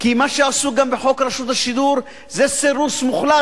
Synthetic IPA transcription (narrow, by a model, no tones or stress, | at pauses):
kimaʃeasuɡambeħo̞kɾaʃut̪aʃid̪uɾ | zeseɾusmuχla